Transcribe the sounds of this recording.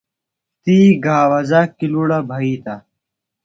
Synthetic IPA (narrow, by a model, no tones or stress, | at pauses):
t̪iːɡʱaːwɐzaːkiluɽabʱɐiːt̪a